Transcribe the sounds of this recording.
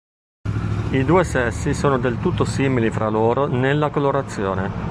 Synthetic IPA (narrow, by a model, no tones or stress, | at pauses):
id̪uːesɛsːisoːnod̪elt̪ut̪ːosiːmilifɾʔaloːɾonelːakoloɾat̪sːjoːne